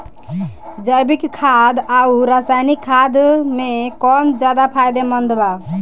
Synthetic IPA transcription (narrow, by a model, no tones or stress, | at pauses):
d͡ʒəjbikkʰːad̪auɾasajnikʰːad̪mekɔnd͡ʒad̪apʰajd̪emənd̪ba